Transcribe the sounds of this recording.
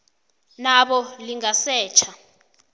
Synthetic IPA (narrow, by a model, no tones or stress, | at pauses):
naɓɔliŋasɛːt͡ʃʰa